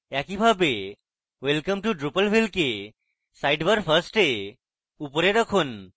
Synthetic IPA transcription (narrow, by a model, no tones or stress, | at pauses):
akibʱabe | ʋelkəmʈuɖɾupəlʋilke | sajɖbəɾfʰəɾsʈe | upɾeɾəkʰuːn